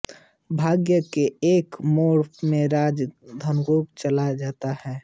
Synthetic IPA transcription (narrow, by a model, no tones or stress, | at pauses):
bʱaːɡjəkeeːkmoːɽmẽɾaːd͡ʒd̪ʱənɡoːpt͡ʃəlad͡ʒaːt̪ahɛː